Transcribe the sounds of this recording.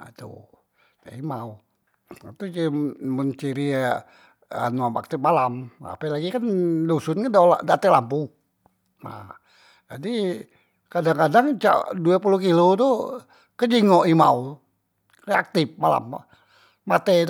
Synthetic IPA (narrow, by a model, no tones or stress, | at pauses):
t̪ṵ | t̪a̰imau | at̪ut͡ʃimənt͡ʃiɾi | ə̰nuama̰k̚t̪ɪp̚malama̰pɛlaɡikandusʊnkandaladat̪ɛlampu | na̰h | d͡ʒadi | kadaŋkadaŋt͡ʃa̰duapulukilot̪u | kəd͡ʒiŋoʔimau | reak̚t̪ɪp̚mala̰mː | at̪ɛt̪